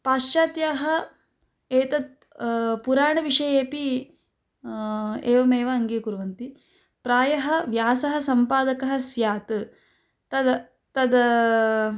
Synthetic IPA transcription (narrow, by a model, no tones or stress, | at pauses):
paːʃt͡ʃaːt̪jaːɦɐ | eːt̪ɐd̪̚ | puɾaːɳɐʋiʂɐjeːpi | eːʋɐmeːʋɐɐŋɡeːkuɾuʋɐnt̪i | pɾaːjɐɦɐʋjaːsɐɦɐsɐmpaːd̪ɐkɐɦɐ̆sjaːt̪ɨ | t̪ɐd̪ɐ | t̪ɐd̪ɐ